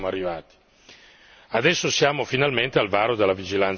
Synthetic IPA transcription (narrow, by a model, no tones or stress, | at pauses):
moarːivaːt̪i̥ | ad̪ɛsːosjaːmofinalment̪ealvaːɾod̪elːavid͡ʒilant̪